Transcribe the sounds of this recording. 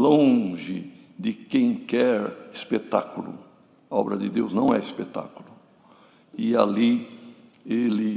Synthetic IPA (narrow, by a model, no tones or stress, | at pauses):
lõʒɪ | d̪ɪkẽj̃kɛɾispet̪a̰kulʊ̰ | aɔbɾɐd̪ɪd̪ewznɐ̃w̃ɛispet̪a̰kulʊ | ɪali | elɪ